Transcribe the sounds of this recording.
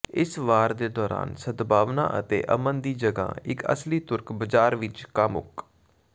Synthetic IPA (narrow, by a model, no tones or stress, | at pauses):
ɪsʋaːɾd̪eːd̪ɔːɾa̰ːnsəd̪baːʋnã̰ːʔət̪ḛːʔə̰mənd̪iːd͡ʒəɡã̰ːɪkə̰sliːt̪ʊɾkbəd͡ʒaːɾʋɪt͡ʃkəmʊ̰k